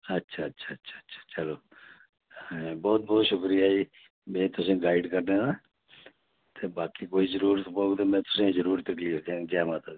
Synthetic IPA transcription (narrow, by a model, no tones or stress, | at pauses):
ətːʃʰaːtːʃʰaːətːʃʰḁːtːʃʰḁːt͡ʃəloː | ɛ̃ːbɔːt̪̚bɔːt̪ʃʊkɾijaːiː | mɛ̃ːt̪ʊsẽːɡaːɪɖkəɾneːãː | t̪eːbaːkiːkoːiːzəɾuːɾət̪poːɡt̪eːmɛ̃ːt̪ʊ̥sẽːzəɾuːɾt̪əkliːfd̪ãːd͡ʒaːmãːt̪a